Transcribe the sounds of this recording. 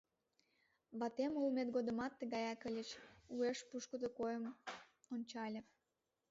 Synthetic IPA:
βɑt̪emulmet̪ɡod̪ə̆mɑt̪ːəɣɑjɑkəlʲet͡ɕueʃpuʃkəd̪okojəmonʲt͡ɕɑlʲe

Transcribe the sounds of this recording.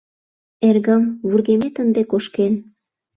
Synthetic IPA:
erɣəmβurɣemet̪ənd̪ekoʃken

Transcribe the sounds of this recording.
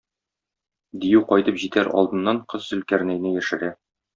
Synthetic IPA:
d̪ijʉqɒjt̪ɤpʑit̪æɾʔɒ̰lˠd̪ɤ̆nːɑɴqɤzːɵ̆lkæɾnæjnɘjæʃɘ̆ɾæ

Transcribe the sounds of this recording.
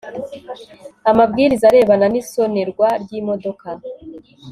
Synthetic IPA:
amabɡiːɾizaɾe̞ːβananiso̞ne̞ɾɡwaɾɟiːmo̞do̞ka

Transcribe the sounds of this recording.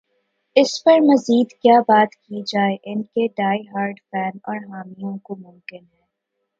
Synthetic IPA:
ɪspɐɾmɐziːd̪kjaːbaːt̪kid͡ʒaːeʔɪnkeɖaːiɦaːɾɖfɛːnɔːɾɦaːmijõkomʊ̃mkɪnɦɛ̃ː

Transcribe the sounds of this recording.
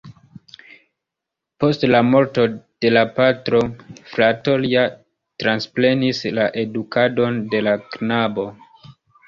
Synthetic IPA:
po̞stlamo̞ɾto̞d̥e̞lapatɾo̞flato̞lia | tɾansple̞nislaʔe̞dukado̞nde̞laknabo̞

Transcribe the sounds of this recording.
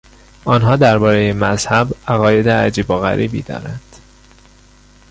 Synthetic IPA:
ʔɒːnɦɒːd̪æɾbɒːɾe̞jemæzhæbæɣɒːje̞d̪eæd͡ʒiːboɣæ̰ɾʔiːbḭːd̪ɒ̰ːɾænd̪̥

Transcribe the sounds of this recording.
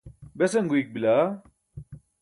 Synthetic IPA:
besɐŋɡuik̚bila

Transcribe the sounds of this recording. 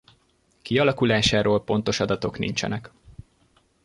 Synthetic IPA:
kiɒlɒkulaːʃaːɾoːlpo̞nt̪o̞ʃɒd̪ɒt̪o̞knḭɲt͡ʃɛ̰nɛk

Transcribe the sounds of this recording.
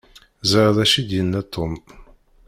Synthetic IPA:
zəɾðæʃid̪jənːæt̪ʰːom

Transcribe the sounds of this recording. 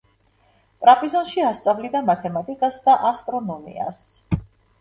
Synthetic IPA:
pʼɾapʼizɔnʃiast̪sʼavlid̪amat̪ʰɛmat̪ʼikʼasd̪aʔast̪ʼɾɔnɔmḭa̰s

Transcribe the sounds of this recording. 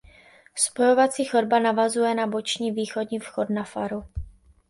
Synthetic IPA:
spo̞jo̞vat͡siːxoɾbanavazujɛnabo̞t͡ʃɲiːviːxo̞dɲiːfxo̞tnafaɾu

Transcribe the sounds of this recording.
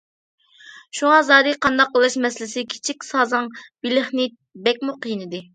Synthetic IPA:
ʃuŋɑzɑːd̪ɨqʰɑnd̪ɑqːəlˠɨʃmɛslɪsɪkʲʰi̥t͡ʃʰikʲsɑːzɑŋbilɪχnɪ | bɛk̚ʲmuqʰijinɨd̪ɨ

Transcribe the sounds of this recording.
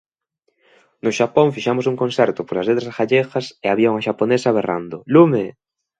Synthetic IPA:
nʊʃapoŋfiʃamosuŋkõnsɛɾt̪ʊpolaslet̪ɾasxaʎexɐseaβjoŋaʃaponesaβera̰nd̪ʊlume

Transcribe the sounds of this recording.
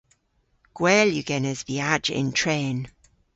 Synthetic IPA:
ɡ̥wɛːljuɡ̥ɛnəzviad͡ʒɪ̰̃ntʰɹ̥ẽːn

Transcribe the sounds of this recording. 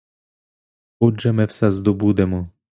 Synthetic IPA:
ɔʒɛmɪwsɛzd̪ɔbud̪ɛmɔ

